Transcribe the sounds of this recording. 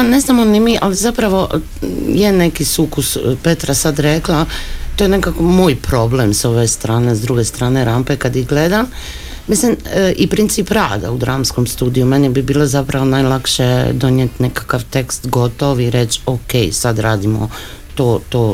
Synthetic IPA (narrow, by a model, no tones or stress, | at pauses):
ane̞znamonimiʔalizapɾaʋo̞ʔ | jene̞kisukuspe̞t̪ɾasad̪ɾeklˠat̪ojenekakomoːjpɾo̞blemsoʋest̪ɾaːnezd̪ɾuɡest̪ɾaːne̞ɾampekad̪iɡle̞d̪amː | islimʔipɾint̪sipɾaːd̪a̰ud̪ɾaːmsko̞mst̪uːd̪ijumenibibiːlˠozapɾaʋo̞najlˠakʃed̪o̞njet̪nekḁkaʋt̪e̞kst̪ɡo̞t̪o̞ʋiɾe̞t͡ɕokejsad̪ɾaːd̪imo̰ | t̪oːt̪oː